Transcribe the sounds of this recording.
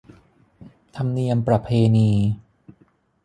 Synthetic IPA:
t̪ʰa˧mni˧əmpɾa˧pʰeː˧niː˧

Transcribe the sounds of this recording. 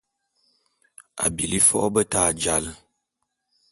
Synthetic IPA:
a̰˨bi˨li˦fɔ̰˦ʔbə˦taː˦˨d͡ʒa˦lə˨

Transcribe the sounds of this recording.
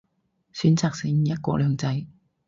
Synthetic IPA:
syː˨˥nt͡saː˧k̚sɪ˨˥ŋ̩ː˨jɐ˥t̚kɔ̰ː˧lœː˨˧ŋt͡sɐ˧j

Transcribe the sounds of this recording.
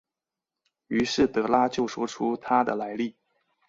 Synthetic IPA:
y˧˥ʂɻ̩˥˩t̪ɤ˧˥la˥t͡ɕjo˥˩ʊʂwɔ˥ʈ͡ʂʰu˥t̪ʰa˥d̪ə̰˨la˧˥ɪli˥˩

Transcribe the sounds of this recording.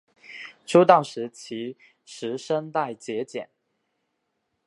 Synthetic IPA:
ʈ͡ʂʰu˥t̪ɑ˥˩ʊʂɻ̩˧˥t͡ɕʰi˧˥ | ʂɻ̩˧˥ʂə˥ŋt̪a˥˩ɪt͡ɕjɛ˧˥t͡ɕjɛ̰˨˩˦n

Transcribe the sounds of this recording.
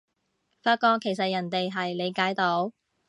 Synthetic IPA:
faː˥t̚kɔː˧kʰːe˨˩js̬ɐ˨t̚jɐ˨˩nt̪e˨jɦɐ˨jle˨˧jkaː˨˥jt̪o˨˥w

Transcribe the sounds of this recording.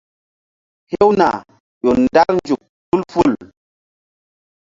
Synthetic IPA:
he˦wna̰˨ | ɗo˨nda˦ɾnd͡ʒu˨k̚fu˦lfu˦˨l

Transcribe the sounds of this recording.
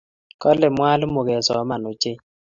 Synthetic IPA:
kɔ˦lɛ˨mwa˦lmo˨kɛ˨sɔ˨˦ma˨no˨t͡ʃe˦

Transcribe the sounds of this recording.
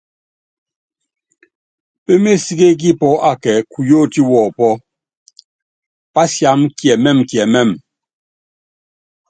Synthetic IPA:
pe˦me˦si˦ɡe˦k̬i˦pɔ˦a˨kɛ˨ku˨jo˦˨ti˦wɔ˨pɔ˦ | pa˦sja˨˦mkjɛ˨mɛ˦˨mkjɛ˨mɛ˦˨m

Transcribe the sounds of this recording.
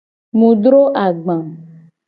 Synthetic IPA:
mũ˨ɖɾo˦ʔa˨ɡ͡bã˨m

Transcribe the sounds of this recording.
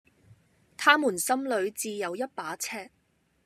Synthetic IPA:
t̪ʰaː˥muː˨˩nsɐ˥mlɵ˨˧ɥt͡siː˨˧jɐ˨˧wjɐ˥t̚paː˨˥t͡sʰɛː˥k̚

